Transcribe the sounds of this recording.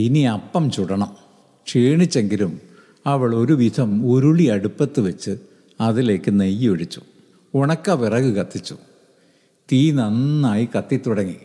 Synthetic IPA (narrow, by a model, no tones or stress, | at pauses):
iniɐpːɐmt͡ɕuɽɐɳɐm | ʂiːɳit͡ɕːe̞ŋɡilum | ɐʋɐɭo̞ɾuʋid̪ʰʱɐmuɾuɭiɐɽupːɐt̪ːɨʋɐt͡ɕːɨ | ɐðile̞ːkːɨnejːioɻit͡ɕːu̥ | oɳɐkːaʋirɐɣɨkɐt̪ːit͡ɕːu̥ | t̪iːnɐnːaːjikɐt̪ːit̪ːuɽɐŋːi